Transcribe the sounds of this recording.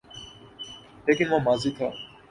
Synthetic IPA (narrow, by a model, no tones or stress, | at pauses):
leːkɪnʋãːmaːziːt̪ʰa̰ː